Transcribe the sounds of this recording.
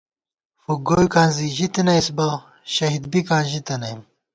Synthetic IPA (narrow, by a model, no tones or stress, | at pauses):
fuɡojukãːnziʑit̪inɐjsbɐ | ɕɐɦid̪̚bikãːnʑit̪ɐnɐim